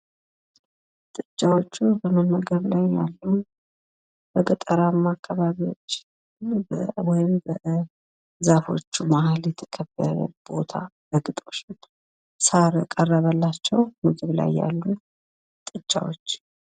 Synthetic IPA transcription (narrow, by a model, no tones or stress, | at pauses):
t̪ʼɨt͡ʃʼːawo̞t͡ʃːubəmənməɡəβlajːa̰lːu | b̥əɡət̪ʼəɾamːakʰːaβaβiwo̞t͡ʃː | bwɔjɪmbə | zafo̞̰t͡ʃːumahaljɛt̪ʰə̥kʰəbːəɾə̰b̥o̞t̪ʰabəɡʼɨt̪ʼo̞t͡ʃː | saɾkʼərːəβəlːat͡ʃːɛwmɨɡɨβla̰jːa̰lːu | t̪ʼɨt͡ʃʼːa̰wo̞̰t͡ʃː